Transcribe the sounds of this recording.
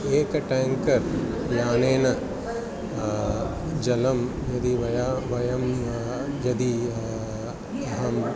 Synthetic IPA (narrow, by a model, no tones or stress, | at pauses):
eːkɐʈaːŋkɐɾ | jaːneːnɐ | d͡ʒɐlɐm | jɐd̪iʋɐjaʋɐjɐm | jɐd̪i | ɐɦɐm